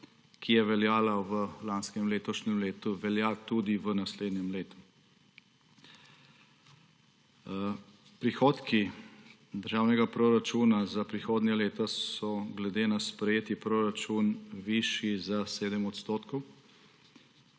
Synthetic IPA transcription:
kʰijɛʋɛljaːlaʋəlanskɛmleːt̪ɔʃnɛmleːt̪uʋɛljat̪ud̪iʋənasleːd̪njɛmleːt̪u̥ | pɾixoːt̪ki | d̪əɾʒaːwnɛɡapɾoɾat͡ʃuːnazapɾixoːd̪nɛleːt̪asɔɡlɛd̪eːnaspɾɛjeːt̪ipɾoːɾat͡ʃunʋiʃjizaseːd̪əmɔt̪st̪oːt̪kɔw

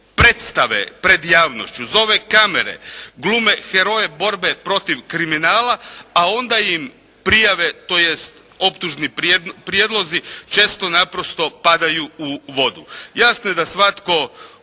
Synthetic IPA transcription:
pɾet̪st̪aʋḛpɾe̞d̪jaːʋno̞̰ʃt͡ɕuzo̞ʋe̞kame̞̰ɾe̞̰ɡluːme̞xeɾo̞je̞bo̞ɾbe̞pɾo̞t̪iʋkɾiminaːlaao̞nd̪ajim | pɾijaʋe̞t̪o̞jest̪ | o̞pt̪uʒnipɾjed̪lˠo̞zit͡ʃe̞ːst̪o̞napɾo̞st̪o̞pad̪ajuuʋo̞d̪ujasnojed̪asʋat̪ko̞

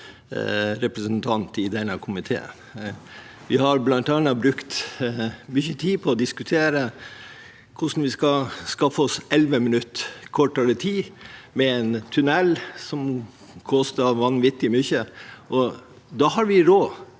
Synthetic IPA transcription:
ɾɛpɾəsnt̪ʰɑnt̪ɪd̪ɛnːəkʰʊmɪt̪ʰḛːə̰n | ʋɪhɑɾblɑnt̪ɑnːɑbɾʉkt̪ | mʏçət̪ʰiːpʰɔːd̪ɪskʉt̪ʰeːɾə | kʰʊʂn̩ʋɪskɑskɑfəɔsɛlʋəmənʉt̪ːkʰɔʈːəət̪ʰiːmɛɛnt̪ʰʉnɛlːsɔm | kʰɔst̪əʋɑnʋɪt̪ːɪmʏçəʔɔ | d̪ɑhɑɾʋɪɾoː

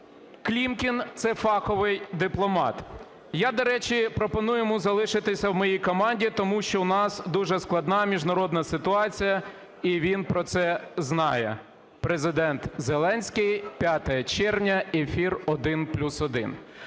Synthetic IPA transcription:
klʲimkʲint̪sɛfɑkɔʋɪjd̪ɪplˠɔmɑ̰t̪ | jad̪ɔɾɛt͡ʃʲipɾɔpɔnujemuzɐlˠɪʃɪt̪ɪsʲɐwmɔjijkɔmɑnʲdʲit̪ɔmuʃt͡ʃɔʊnɑsd̪uʒɛsklˠɐd̪nɑmʲiʒnɐɾɔd̪nɐsɪt̪ʊɑt͡sʲijɐ | iʋʲinpɾɔt̪sɛznɑjɛ̰ | pɾezɪd̪ɛnt̪zelˠɛnʲsʲkɪjpʲjat̪ɐjɐt͡ʃɛrwnʲɐefʲirɔd̪ɪnplʲusɔd̪ɪ̰n

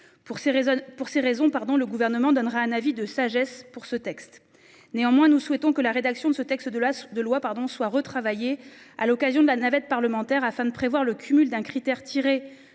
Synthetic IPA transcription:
puʁseʁezɔ̃paʁd̪ɔ̃ləɡuvɛʁnəmɑ̃d̪ɔnʁaɛ̃navid̪əsaʒɛspuʁsət̪ɛkst̪ | neɑ̃mwɛ̃nuswɛt̪ɔ̃kəlaʁed̪aksjɔ̃d̪əsət̪ɛkst̪əd̪ad̪əlwapaʁd̪ɔ̃swaʁət̪χavaje | a̰lɔkazjɔ̃d̪əlanavɛt̪̚paʁləmɑ̃t̪ɛʁafɛ̃d̪əpχevwaʁləkʲʰymyld̪ɛ̃kχit̪ɛʁt̪ʰiʁe

